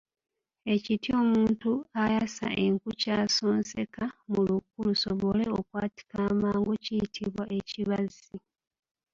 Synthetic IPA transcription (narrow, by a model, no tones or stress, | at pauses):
e̞citio̞ːmuːntuajasa̰ʔe̞ŋkucaːsoːnse̞kamulukulusoβo̞le̞okwaːti̥kaːmaːŋɡociitʰiβwaʔe̞ciβazi